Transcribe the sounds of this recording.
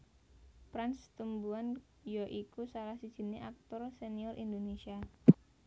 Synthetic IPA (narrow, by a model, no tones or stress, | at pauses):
pɾanst̪umbuan | jɔʔikusalahsid̥ʒ̥i̤neʔak̚t̪ɔrseniɔrʔḭnd̪onesia